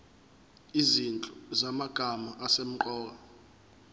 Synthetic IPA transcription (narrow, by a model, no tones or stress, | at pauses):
izint͡ɬʼɔzamaɡ̥ʱamaʔasem̩ǃɔːk̬a